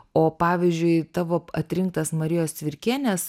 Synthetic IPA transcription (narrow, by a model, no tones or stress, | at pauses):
oːpɑːʋʲɪzʲd͡ʒʲʊɪt̪ɑːʋoːɐt̪ʲɾʲɪŋk̚t̪ɐsmɐɾʲɪjoːst̪ʲʋʲɪɾʲkʲeːnʲɛs